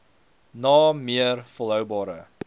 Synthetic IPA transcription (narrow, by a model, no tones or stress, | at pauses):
nɑːmiərfəlˠɦœwbɑːɾə̰